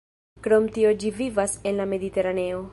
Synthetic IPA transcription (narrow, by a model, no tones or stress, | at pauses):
kɾo̞mtio̞d͡ʒivivase̞nlame̞d̪ite̞ɾane̞o̞